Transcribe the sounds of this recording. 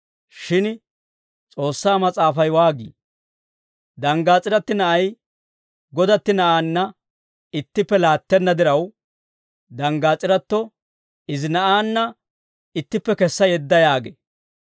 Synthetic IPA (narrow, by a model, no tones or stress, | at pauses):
ʃɪn | t͡sʼo̞ːsːaːmɐt͡sʼaːfɐjwaːɡḭː | d̪ɐŋɡaːt͡sʼɪɾɐt̪ːɪnɐʔɐj | ɡɔd̪ɐt̪ːɪnɐʔaːnːɐ | ɪt̪ːɪpːɛlaːt̪ːɛnːɐd̪ɪɾɐw | d̪ɐŋɡaːt͡sʼːɪɾɐt̪ːɔ | ɪzɪnɐʔaːnːɐ | ɪt̪ːɪpːɛkɛsːɐjɛd̪ːɐjaːɡɛ̰